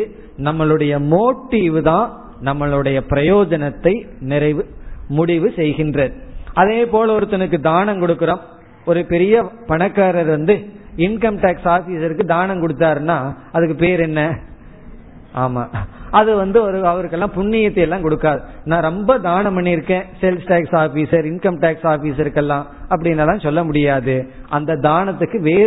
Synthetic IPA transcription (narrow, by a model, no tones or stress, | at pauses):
ɯ | nɐmːɐɭɯɽɐjɐmoːʈːiʋɯðãː | nɐmːɐɭɯɽɐjɐpɪɾɐjoːd͡ʒɐnɐt̪ːɐɪnɪɾɐɪʋɯmʊɽɪʋɯsɛjɣɪndrɐɾɐðeːpoːlɐɔɾɯt̪ːɐnɯk̬ːɯd̪aːnɐ̃mkɔɽɯkːɯɾom | ɔɾɯpɛɾɪjɐpɐɳɐkːaːɾɐɾʋɐnd̪ɯ | ɪnkɐmʈaːksaːfisɪɾɯkːɯd̪aːnɐ̃mkɔɽɯt̪ːaːɾɯnːaː | ɐðɯkːɯpeːɾɛnːɐ | ʔaːma̰ːɐðɯʋɐnd̪ɯɔɾɯɐʋɐɾɯk̬ːɛlːãːpʊɳːɪjɐt̪ːɐɛlːãːkɔɽɯkːaːðɯnãːɾɔmbɐd̪aːnɐmɐɳːiɪɾɯkːẽːsɛlsʈaːksaːfiːsɐɾɪɳkɐmʈaːksaːfiːsɪɾɯkːɛlːãːɐp̬ːɐɽɪnːɐlãːsɔlːɐmʊɽɪjaːðɯʔɐnd̪ɐd̪aːnɐt̪ːɯkːɯʋeːɾ